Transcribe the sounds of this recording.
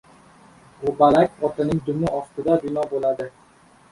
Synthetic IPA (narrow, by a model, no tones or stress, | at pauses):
bʊbalakʲɒt̪ʰɪnɪŋd̪ʊmɪɒft̪ʰɪd̪abɪnɒbolad̪ɪ